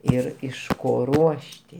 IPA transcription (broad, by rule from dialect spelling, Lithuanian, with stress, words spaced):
ˈɪr ɪʃ ˈkoː ˈruɔʃʲtʲɪ